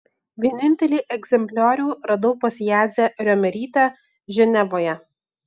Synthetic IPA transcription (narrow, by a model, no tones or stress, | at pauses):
ʋʲiɛnʲɪnʲt̪ʲɛlʲiːʔɛɡzʲɛmʲpʲlʲæːɾʲuːɾɐd̪ɔpɐsʲjæːd̪zʲɛɾʲɔmʲɛɾʲiːt̪ʲæ | ʒʲɛnʲɛʋoːjɛ